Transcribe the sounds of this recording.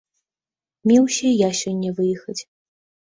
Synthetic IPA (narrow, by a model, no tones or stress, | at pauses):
mʲiwɕʲɛjaɕʲɔnʲːɛvɨjixɐd͡zʲ